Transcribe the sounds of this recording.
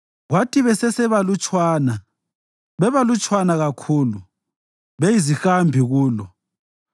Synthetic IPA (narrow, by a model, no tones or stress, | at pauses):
ɣwatʰʼiβɛsɛsɛβalut͡ʃʼwaːna | βɛβalut͡ʃʼwanaɣakʰuːlu | βejizixambʱiɣuːlɔ